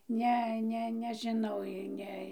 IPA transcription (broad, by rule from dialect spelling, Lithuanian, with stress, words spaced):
ˈnʲɛ ˈnʲɛ nʲɛʒʲɪˈnɐʊ ɪ ˈnʲɛ